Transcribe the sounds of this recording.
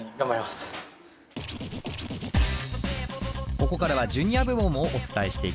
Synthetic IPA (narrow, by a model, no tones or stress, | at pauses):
ɡambaɾʲimasɨ̥ | ko̞ko̞kaɾaβ̞ad͡ʑɨ̃ɲ̟iabɯ̟momɯ̟oʔot͡sɨ̥t̪aeɕi̥t̪e̞ik